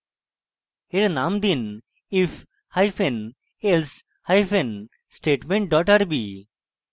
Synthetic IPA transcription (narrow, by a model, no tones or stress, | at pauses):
eɾnamd̪in | if | hajfʰen | els | hajfʰen | sʈeːʈmẽɳʈ̚ɖɔʈəɾbi